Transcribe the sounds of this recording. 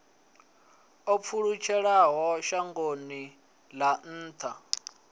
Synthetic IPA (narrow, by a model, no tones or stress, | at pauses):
ɔp̪fʰuɺut͡ʃʰɛɺaɦɔʃaŋɡoni | lan̩ːt̪ʰa